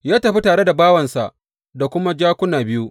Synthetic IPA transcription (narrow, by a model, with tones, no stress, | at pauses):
jaː˦tɐ˨ɸi˦taː˨ɽe˦da˨baː˦wɐ˨nsa˨ʔ | da˨kʷʊ˦ma˦d͡ʒaː˦kʷʊ˦naː˨bɪ˦ju˦ʔ